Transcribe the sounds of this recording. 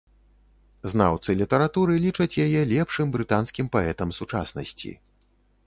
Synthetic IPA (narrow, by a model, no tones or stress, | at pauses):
zna̰wt̪sɨlʲit̪ɐɾat̪uɾɨlʲit͡ʂɐt͡sʲjajɛlʲɛpʂɨmbɾɨt̪anskʲimpaɛt̪ɐmsut͡ʂa̰snɐ̰sʲt͡sʲḭ